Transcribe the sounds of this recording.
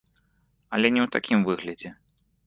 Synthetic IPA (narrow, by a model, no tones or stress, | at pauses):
ɐlʲɛnʲɛwt̪akʲʰimvɨɣlʲɐd͡zʲɛ